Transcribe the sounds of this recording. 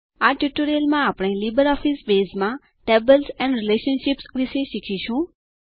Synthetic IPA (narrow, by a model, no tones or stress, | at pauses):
aʈuʈoɾijəlmãapɽ̃elibəɾɔfʰisbeːsmã | ʈebəlsɛ̃nɾɪleʃənʃipsʋɪʃeʃikʰiʃũ